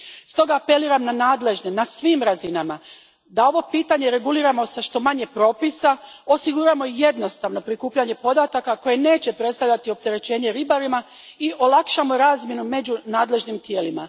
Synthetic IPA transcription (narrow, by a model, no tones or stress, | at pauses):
st̪o̞ɡaːpe̞liːɾamnanaːd̪le̞ʒnenasʋiːmɾazinama | d̪ao̞ʋo̞piːt̪aɲe̞ɾe̞ɡuliːɾamo̞saʃt̪o̞maɲe̞pɾo̞ːpisaosiɡuɾamo̞je̞d̪no̞st̪aʋno̞pɾikuːpʎaɲe̞po̞d̪at̪akako̞je̞ne̞ːt͡ɕe̞pɾet̪st̪avʎʲat̪io̞p̚t̪e̞ɾe̞t͡ɕe̞ːɲe̞ɾibaɾima | iʔo̞lˠakʃamo̞ɾaːzmje̞nume̞d͡ʑunaːd̪le̞ʒnimt̪je̞ːlima̰